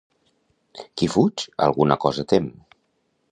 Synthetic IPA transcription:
kifut͡ʃa̰lˠɣunəkɔzət̪em

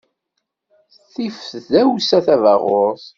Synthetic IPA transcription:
θifðæwsæθævɑʁʊɾθ

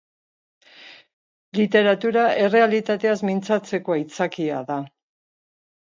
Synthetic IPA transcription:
lit̪e̞ɾat̪uɾae̞re̞alit̪at̪e̞azmint͡sat͡se̞ko̞ait͡sakiaða

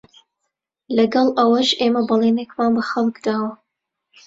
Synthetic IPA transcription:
lɐɡɐlˠʔɐwɐʒʔeːmɐbɨlˠeːnekmaːnbɐxɐlˠkd̪aːwɐ

